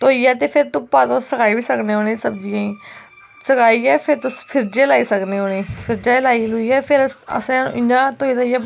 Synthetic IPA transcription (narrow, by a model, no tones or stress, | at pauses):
t̪oːiːɛːt̪̬eːpʰɪɾt̪ʊpaːt̪õsəkʰaːiːbiːsəkneːɦoːɽ̃ẽːsəbd͡ʒiːãĩː | səkaːiːɛːpʰɪɾt̪ʊspʰɪɾd͡ʒeːlaːiːsəkneːɦoːɽ̃eːpʰɪɾd͡ʒaːlaːiːloiːɛːpʰɪɾə̰sẽñ̰ɪ̃nd͡ʒãːt̪oːiːtaiɛː